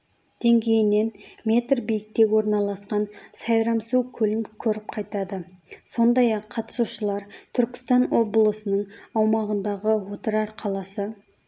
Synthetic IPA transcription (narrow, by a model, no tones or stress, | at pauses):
d̪̥e̞ŋɡʲe̞jɪne̞nmʲe̞t̪rbijɪk̚t̪e̞wo̞ɾnɑlˠɑsqɑnsɑjɾɑmsukʲʰɵlɪŋkʲʰɵɾɪp̚qʰɑjt̪ɑd̪əso̞nd̪ɑjɑqʰːɑt̪ə̥suʃəlˠɑɾt̪ʰʏɾkʲɪ̥st̪ɑnwo̞bəlˠəsənəɴɑwmɑʁənd̪ɑʁəwo̞t̪əɾɑɾqʰɑlˠɑsə